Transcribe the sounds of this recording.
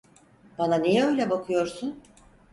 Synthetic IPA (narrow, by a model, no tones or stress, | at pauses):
bananijɛø̞jlʲɛbakʰɯjo̞ɾsun